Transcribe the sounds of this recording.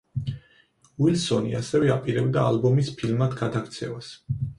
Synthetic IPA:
wilsɔniasɛvɛapʼiɾɛbd̪aːlbɔmispʰilmad̪ɡad̪akʰt̪sʰɛvas

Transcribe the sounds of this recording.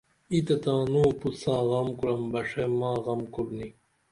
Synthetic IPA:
it̪et̪ãːnuːpusãːɣɐmkuɾɐmbɐʂemaːɣɐmkuɾni

